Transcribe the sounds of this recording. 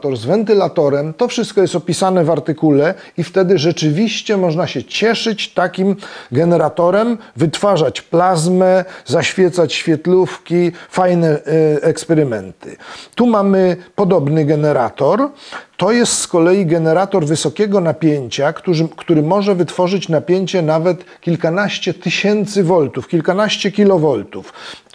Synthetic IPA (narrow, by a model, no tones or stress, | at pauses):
t̪ɔɾzvɛnt̪ɘlat̪ɔɾɛmt̪ɔfʂɨst̪̚kɔjɛst̪ɔpʲisanɛvaɾt̪ɘkulɛ | ift̪ɛd̪ɘʐɛt͡ʂɘvʲiɕt͡ɕɛmɔʐnaɕɛt͡ɕɛʂɘt͡ɕt̪akʲimɡɛnɛɾat̪ɔɾɛmvɘt̪faʐat͡ɕplazmɛzaɕfʲjɛt̪sat͡ɕɕfʲjɛt̪lufkʲifajnɛɛkspɛɾɘmɛnt̪ɘ̥̰t̪umamɘpɔd̪ɔbnɘɡɛnɛɾa̰t̪ɔɾt̪ɔjɛst̪skɔlɛjiɡɛnɛɾat̪ɔɾvɘsɔkʲɛɡɔnapʲjeɲt͡ɕakt̪uʐkt̪uɾɘmɔʐɛvɘt̪fɔʐɘt͡ɕnapʲjeɲt͡ɕɛnavɛt̪kʲilkanaɕt͡ɕɛt̪ɘɕɛnt̪sɘvɔlt̪ufkʲilkanaɕt͡ɕɛkʲilɔvɔlt̪uf